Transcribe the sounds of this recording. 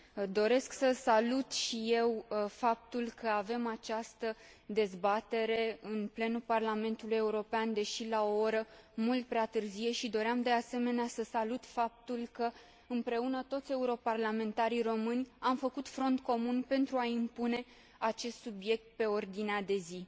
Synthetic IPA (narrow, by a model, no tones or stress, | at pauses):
d̪o̞ɾe̞sksəsalut̪ʃije̞wfap̚t̪ulkəave̞mat͡ʃast̪ə | d̪e̞zbat̪e̞ɾe̞ɨnple̞nuparlame̞nt̪uluje̞uɾo̞peand̪e̞ʃilao̞oɾəmult̪̚pɾeat̪ɨrzije̞ʃid̪o̞ɾeamd̪e̞ase̞me̞neasəsalut̪fap̚t̪ulkə | ɨmpɾe̞unət̪o̞t̪sʲe̞uɾo̞parlame̞nt̪aɾiro̞mɨnʲamfəkut̪fɾo̞nt̪ko̞munpe̞nt̪ɾuaimpune̞ | at͡ʃe̞st̪subje̞k̚t̪̚pe̞o̞rd̪inead̪e̞zi